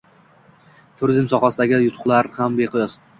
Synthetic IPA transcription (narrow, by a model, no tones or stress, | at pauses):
t̪ʰʊɾɪzmsɒχasɪd̪aɡʲɪjʊt̪ʰʊ̥qlˠaɾhambeqʰɨjɒs